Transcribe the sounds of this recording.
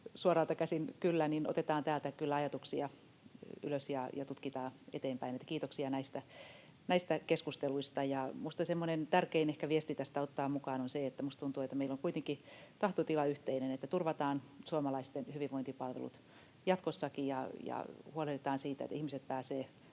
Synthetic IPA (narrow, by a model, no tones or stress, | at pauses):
suorɑːlt̪ɑkæsinkylːænino̰t̪et̪ɑːnt̪æːlt̪ækylːæɑjɑt̪uksiɑ | y̰løsjɑjɑt̪ut̪kit̪ɑːḛt̪eːmpæinet̪ːækiːt̪oksiɑnæist̪æ | næist̪ækeskust̪eluist̪ɑjɑmust̪ɑsemːonent̪ærkeinehkæʋiest̪it̪æst̪æot̪ːɑːmukɑːnonseet̪ːæmust̪t̪unt̪uːet̪ːæmeilːoŋkuit̪eŋkit̪ɑht̪ot̪ilɑyht̪einenet̪ːæt̪urʋɑt̪ɑːnsuoɑmɑlɑist̪enhyʋiʋoint̪ipɑlʋḛlṵt̪ | jɑt̪kosːɑkijɑjɑ̰huoleet̪ɑːnsiːt̪æ̰t̪ːihmiset̪̚pæːseː